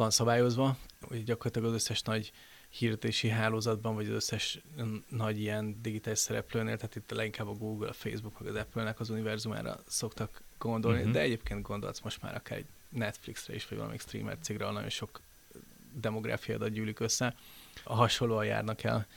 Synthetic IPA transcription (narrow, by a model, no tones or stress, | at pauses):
ʋɒnsɒbaːjo̞zʋɒhuɛɟɒkorlːt̪ɒɡɒzøsːɛʃnɒɟ | hiːrd̪ɛt̪eːʃiɦaːloːzɒd̪bɒɱvɒɟɒzøsːɛʃnɒɟijɛnd̪iɡit̪aːliʃsɛɾɛ̰pløːneːlt̪ɛɦaːt̪it̪ːlɛɡiŋkaːbːɒɡuːɡulɒ̰fḛːzbukmɛɡɒzɛpølnɛkɒzunivɛrzuma̰ːɾɒ̰so̞kt̪ɒkɡ̥o̞nd̪o̞lnid̪ɛɛɟeːp̚keːnt̪̚ɡo̞nd̪o̞̰ltsmo̞ʃt̪ma̰ːɾɒkaːɾɛ̰ɟ | nɛt̪fliksrɛ̰iʃʋɒɟvɒ̰lɒ̰mḭkst̪rḭːmɛ̰rt̪seːɡrɛ̰nɒɟo̞̰nʃo̞k | d̪ɛmo̞ɡɾa̰ːfija̰od̪ɒt̪̚ɟyːlikø̞sːɛɒɦɒʃo̞lːoːɒja̰ːrnɒkɛ̰l